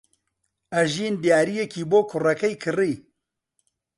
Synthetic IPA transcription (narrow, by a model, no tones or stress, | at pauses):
ɐʒiːnd̪jaːɾijekiːboːkʰʊrɐkɐjkʰɨriː